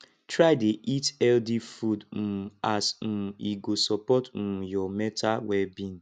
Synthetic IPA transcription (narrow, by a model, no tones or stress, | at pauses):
tɾaɪdeʔitɛldifud̩asn̩iɡosɔpɔtn̩jɔmɛtawɛbin̩